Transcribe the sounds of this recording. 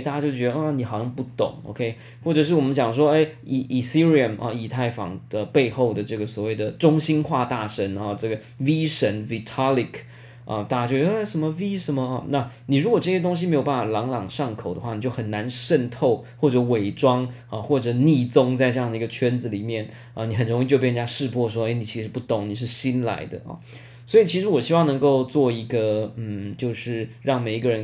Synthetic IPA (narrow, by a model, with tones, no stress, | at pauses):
ta˥˩t͡ɕja˥t͡ɕjo˥˧ʊt͡ɕɥɛ˧˥d̪ə˧ɐ˥˩ni˨˥xɑ˨˩ʊɕjɑ˥˧ŋpu˧˩t̪ʊ̰˨˩˦ŋo̰˧ʊkʰe˥ɪ | xwɔ˥˩ʈ͡ʂɤ˨˩ʂɻ̩˥˩wɔ˨˩mə˦nɕjɑ˨˩ŋʂwɔ˥e˥˩ɪi˧˩ʔi˨˩si˥ɹi˨˩ə˨˩nʔɐ̰˧i˨˩t̪ʰa˥˩ɪfɑ̰˨˩ŋə˧pe˥˧ɪxo˥˩ʊd̪ə˩ʈ͡ʂɤ˥˩ɡə˩swɔ˨˩we˥˩ɪd̪ə˩ʈ͡ʂʊ˥ŋɕi˥nxwa˥˧t̪a˥˩ʂə˧˥nɐ˧ʈ͡ʂɤ˥˩ɡə˩ | vi˥ʂə˧˥nvi˨˧˩t̪ʰɑ˥li˨˩k | ɐ̰˧t̪a˥˩t͡ɕa˥t͡ɕo˥˩ʊt͡ɕɛ˧˥˧ʂə˧˥nmə˧wi˥ʂə˧˥nmə˧ɐ˧na˥˧ni˨˩ɻu˧˥kwɔ˨˩ʈ͡ʂɤ˥˩ɕjɛ˥t̪̬ʊ˥ŋɕ̬i˧m˧˥jo˨˩ʊpa˥˩fa˨˩lɑ˧˥ŋlɑ˨˩ŋʂɑ˥˩ŋkʰo˨˩ʊd̪ə˦xwa˥˩i˨˩t͡ɕjo˥˩ʊxə˨˩na˧˥nʂə˥˧nt̪ʰo˥˩˧ʊxwɔ˥˩ʈ͡ʂɤ˧˥we˨˩ɪʈ͡ʂwɑ˥ŋ | ɐ˧xwɔ˥˩ʈ͡ʂɤ˨˩ni˥˩t͡sʊ˥ŋt͡sa˥˧ɪʈ͡ʂɤ˥jɑ˥ŋd̪ə˩i˧˥ɡə˧t͡ɕʰɥɛ˥nd͡zɹ̩˨li˨˩mjɛ˥˩n | ə˧ni˨˥xə˨˩nɻʊ˧˥ŋi˥˧t͡ɕjo˥˧ʊpjɛ˥˧˥t͡ɕa˥ʂɻ̩˥˧pʰwɔ˥˩ʂ̬wɔ˥e˥˩ɪni˨˩t͡ɕʰi˧˥ʂ̩˧pu˥˩t̪ʊ˨˩˦ŋni˨˩ʂ̬ɻ̩˥˩ɕi˥nla̰˧˥ɪd̪ə̰˧ʔɐ̰˥˩ | swɔ˧˥i˨t͡ɕʰi˧˥ʂɻ̩˧˥wɔ˨˩ɕi˥wɑ˥˩ŋnɤ˧˥ŋko˥˧ʊt͡swɔ˥˩i˧˥ɡə˧n̩˥˩t͡ɕjo˥˧ʊʂɻ̩˥˩ɻɑ˥˩ŋme˨˩ɪ˥ɡə˧ɻə˧˥